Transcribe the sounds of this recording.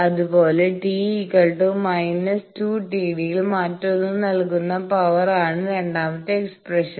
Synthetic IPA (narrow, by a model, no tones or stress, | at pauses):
ɐðupo̞ːleʈiːikɐɭʈumɐjnɐstuːʈiːɽijilmaːtːonːɨnɐlkunːɐpɐʋɐraːɳɨɾe̞ɳɖaːmɐt̪ːɨeksprɐʂɐn